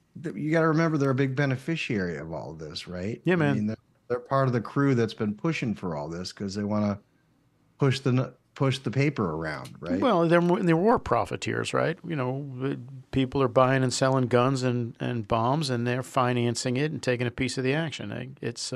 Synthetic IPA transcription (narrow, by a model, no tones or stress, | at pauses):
jɨɡɑɾɨɹɨmɛ̃mbə˞ðə˞ɨbɪɡ̚bɛnɨfɪʃiɛɹiʌ̰vɔ̰lˠðɪsɹaɪt̚jæmæ̃nĩnðə˞ | ðə˞pʰɑɹɾʌvðɨkʰɹ̥ʉðɨtsb̥ɨ̃npʰʊʃɪ̃ŋfə˞ɔlˠðɪskʰʌzðeɪwɑ̃nə | pʰʊʃðɨn | pʰʊʃðɨpʰeɪpə˞ə˞ã̰ʊ̃nd̚ɹaɪtwɛlˠðə˞ɨ̃nðəwɔɹpʰɹ̥ɑ̰fɨ̰tʰɪ̰ɹz̥ɹa̰ɪt̚jɨñoʊ | pʰipl̩ˠə˞baɪɪ̃ŋɨ̃nsɛlˠɪ̃ŋɡʌ̃nzɨ̃nɨ̰̃nbɑ̃mzɨ̃nðə˞fãɪ̃ndɪ̃ŋɨ̃nsɪ̃ŋɪɾn̩tʰeɪkɪ̃ŋɨpʰisʌvðiækʃɨ̰̃n̰ɪts